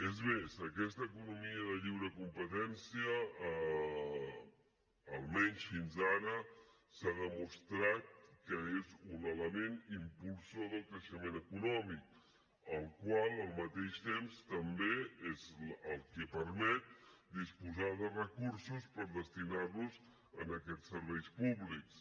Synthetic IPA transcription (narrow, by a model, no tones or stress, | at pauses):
ezmezəkɛst̪əːkunumiəðəʎiwɾəkumpət̪ɛnsiə | lˠmɛɲsfinzaɾə | saðəmust̪ɾat̪̚kəezunələmenimpulˠsoðəlˠkɾəʃəmenəkunɔmik | əlˠkwalˠəlˠmət̪eʃt̪emst̪əmbeezəlˠkɛpəɾmɛt̪̚d̪ispuzaðərəkuɾsuspəɾðəst̪inarluz | ənəkɛt͡ssːəɾβɛjspuβliks